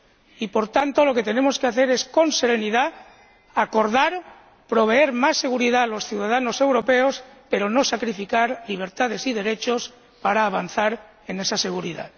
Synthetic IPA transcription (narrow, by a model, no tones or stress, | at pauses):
ipo̞ɾt̪ant̪o̞lo̞ke̞t̪e̞nẽ̞mo̞skeaθe̞ɾe̞sko̞nse̞ɾe̞niða | ako̞ɾð̞aɾ | pɾo̞β̞e̞e̞ɾmasːe̞ɣ̞uɾið̞alo̞sθjuwðaðano̞se̞wɾo̞pe̞o̞spe̞ɾo̞no̞sakɾifikaɾliβ̞e̞ɾt̪að̞e̞siðe̞ɾe̞t͡ʃo̞s | paɾaːβ̞an̟θaɾ | e̞ne̞sase̞ɣuɾiða̰ð